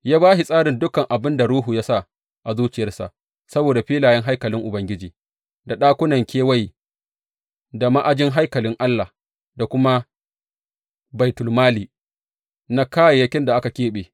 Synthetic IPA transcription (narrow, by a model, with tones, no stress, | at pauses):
jaː˦baː˦hi˨sʼaː˦ɽɪ˨ndʊ˦kɐ˨ŋʔa˨bɪ˦nda˨ɾuː˦ɦu˨jaː˦sa˦˨ | ʔa˨zuː˦t͡ʃɪ˨jɐ˦rsa̰˨ʔ | sɐ˦boː˨da˨ɸiː˦laː˨jɛ˦ŋɦa˦jkɐ˨lɪ˦ŋʔʊ˨bɐ˦ŋɡʲɪ˦d͡ʒiː˨ | da˨ɗaː˦kʷʊ˦nɐ˨ŋkʲeː˦wa˦j | da˨ma˦ʔa˦d͡ʒɪ˦ŋɦa˦jkɐ˨lɪ˦ŋʔa˦lːa˨ | da˨kʷʊ˦ma˦ | ba˨jtʊ˨lmaː˦liː˨ | na˦kaː˦ja˨jɐ˦kʲɪ˦nda˨ʔa˦ka˨kʲeː˦ɓeː˨